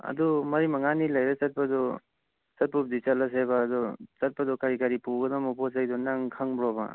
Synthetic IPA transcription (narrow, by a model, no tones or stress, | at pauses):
a̰dɔmɐɾimaŋanilajɾasat̚padɔ | sat̚pup̚dit͡ʃalas̬ebaːdɔsat̚padɔkaɾikaɾipuɡɐdamɔpʰɔsajdɔnaŋkʰaŋbɾɔba̰